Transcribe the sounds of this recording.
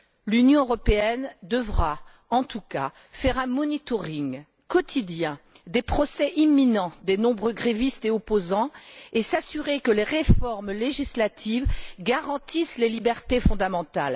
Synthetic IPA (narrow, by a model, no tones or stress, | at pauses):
lynjɔ̃øʁɔpeɛnd̪əvʁa | ɑ̃t̪uka | fɛʁɛ̃mɔnit̪ɔʁiŋ | kɔt̪ʰid̪jɛ̃ | d̪epχɔsɛʔimːinɑ̃d̪enɔ̃bʁøɡʁevist̪eopozɑ̃esasyʁekəleʁefɔʁmleʒislat̪ʰivɡaʁɑ̃t̪islelibɛʁt̪efɔ̃d̪amɑ̃t̪al